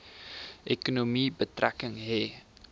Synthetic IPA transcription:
ʔekonomibətrækəŋɦe

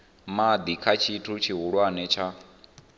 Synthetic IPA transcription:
mad̪ikʰat͡ʃʰitʰut͡ʃʰiɦuɺwanɛt͡ʃʰa

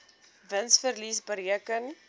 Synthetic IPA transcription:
vənsfərlisbəɾiəkən

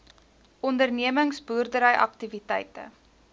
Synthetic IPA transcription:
ɔndərniəməŋsburdəɾəjʔɐ̰k̚tivitɛjtə̰

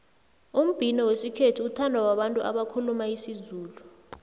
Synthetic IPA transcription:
um̩b̥ʱinɔwesikʰetʰiutʰandʱwawaɓantʼuʔa̰ɓakʰulumaisizuːlu

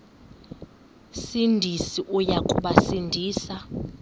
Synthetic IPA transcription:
sindʱisiʔujakʼuɓasindʱiːsa

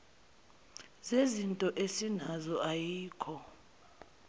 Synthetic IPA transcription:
zezintʼɔʔesinazɔajiːkʰɔ

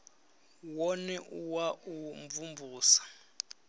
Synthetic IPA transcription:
wɔnɛʔuwauɱvumvuːsḁ

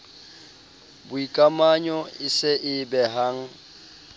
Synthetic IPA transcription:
bʊikʼamaɲɔɪsɪʔɪbɛɦaːŋ̩

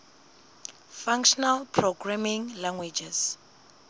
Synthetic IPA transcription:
fãŋkʃɔnalpʰroɡramĩŋlaŋɡwed͡ʒɛs

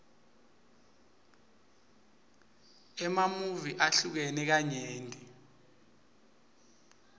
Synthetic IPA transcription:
ɛmamuviʔaɬuk̬enɛk̬aɲeːntʼi

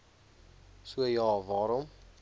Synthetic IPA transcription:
suəjɑːvɑːɾɔm

